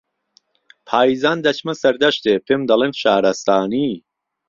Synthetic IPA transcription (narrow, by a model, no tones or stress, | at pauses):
pʰaːjizaːnd̪ɐt͡ʃʰmɐsɐɾd̪ɐʃt̪eːpʰemd̪ɐlˠeːnʃaːɾɐst̪aːni